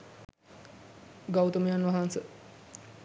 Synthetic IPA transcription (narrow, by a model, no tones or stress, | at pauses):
ɡawt̪əmejanʋaɦansə